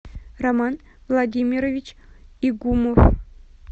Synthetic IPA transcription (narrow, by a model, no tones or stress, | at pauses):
ramɑn | vlˠadʲimʲiɾovʲit͡ɕiɡumuf